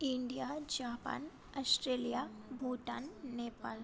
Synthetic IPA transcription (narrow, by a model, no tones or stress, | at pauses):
iɳɖijad͡ʒaːpa̰ːn | ɐsʈɾeːlijabʱuʈa̰nːeːpaːl